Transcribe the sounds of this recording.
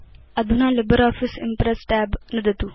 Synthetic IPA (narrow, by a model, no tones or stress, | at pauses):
ɐd̪ʱunaːlɪbəɾɔːfisɪmpɾesʈɛːbnɐd̪ɐt̪u